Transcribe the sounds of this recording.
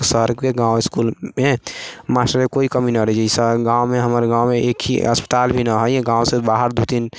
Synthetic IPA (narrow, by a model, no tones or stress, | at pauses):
səɾɡkeɡãwɪskulmemasʈəɾekoikəminəɾəd͡ʒeisəɡãwmeɦəməɾɡãwmeʔekʰḭə̰spə̥t̪albʱinəɦəjɡãwsebaɦəɾd̪ud̪in